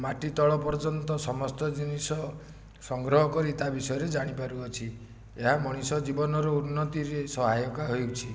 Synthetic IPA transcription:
maʈit̪ɔɭɔpɔɾd͡ʒɔnt̪ɔsɔmɔst̪ɔd͡ʒinisɔ | sɔŋɡɾɔɦɔkɔɾit̪abisɔjɔɾed͡ʒaɽ̃ipaɾuɔt͡ʃʰi | eɦamɔɽ̃isɔd͡ʒibɔnɔɾɔunːɔt̪iɾesɔɦajɔkaɦojwt͡ʃʰi

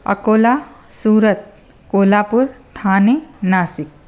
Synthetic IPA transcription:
ʌ̰koːla | suːɾət̪̚ | koːlapuɾt̪ʰaːnenasik̚

